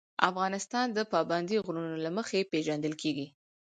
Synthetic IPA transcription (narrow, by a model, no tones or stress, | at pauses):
ʔa̰fɣɑnɪst̪ɑnd̪əpɑband̪iɣɾunolaməxepeʒand̪əlkʰeɡi